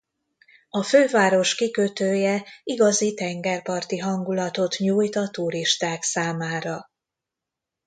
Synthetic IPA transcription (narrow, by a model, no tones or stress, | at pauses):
ɒføːvaːɾo̞ʃkikøt̪øːjɛiɡɒzit̪ɛŋɡɛrpɒrt̪iɦɒŋɡulɒt̪o̞t̪ɲuːjt̪ɒt̪uɾiʃt̪aːksaːmaːɾɒ